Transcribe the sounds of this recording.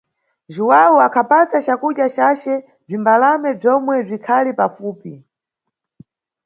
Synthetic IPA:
ʒuwawuakʰapasat͡ʃakuɗjat͡ʃat͡ʃɛ | b͡ʐimbalamɛb͡ʐɔmwɛb͡ʐikʰalipafuːpi

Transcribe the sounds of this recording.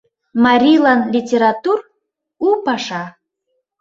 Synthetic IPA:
mɑɾʲilɑnlʲitʲeɾɑt̪ur | upɑʃɑ

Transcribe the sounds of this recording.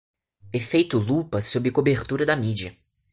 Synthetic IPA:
efejt̪ʊlupɐsobɾɪkobeɾt̪uɾɐd̪ɐmid͡ʒiɐ

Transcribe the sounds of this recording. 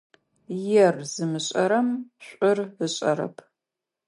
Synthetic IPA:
jɛrz̥ɨmɨɕʼɐɾɐmɕʷʼʊrɨɕʼɐ̰ɾɐ̰pʰ

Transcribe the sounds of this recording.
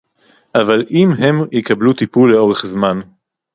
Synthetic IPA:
ʔavalʔimɦe̞mjikablut̪ipulːeo̞ʁeχzman

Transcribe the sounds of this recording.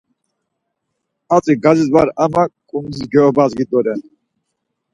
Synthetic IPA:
at͡sʼiɡazisvaɾamakʼunzisɡɛɔbazɡid̪ɔɾɛ

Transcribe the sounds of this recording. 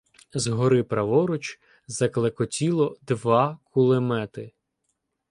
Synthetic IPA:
zɦɔɾɪpɾɐʋɔɾʊt͡ʃ | zɐklˠekɔtʲilˠɔd̪ʋɑkʰʊlˠɪmɛt̪ɪ

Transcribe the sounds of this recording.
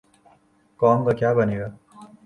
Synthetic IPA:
kɔːmkakjaːbəneːɡaː

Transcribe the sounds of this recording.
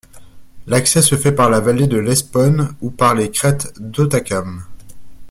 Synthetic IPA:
laksɛsəfɛpaʁlavaled̪əlɛspɔnupaʁlekχɛt̪d̪ot̪akʲam

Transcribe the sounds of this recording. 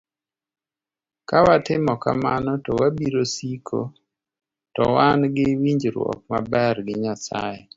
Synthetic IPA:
kawatɪmɔka̰manɔtɔwabiɾosikʰo̰ | tɔ̰wanɡɪwiɲd͡ʒɾwɔ̰k̚ma̰bɛrɡɪɲasa̰je

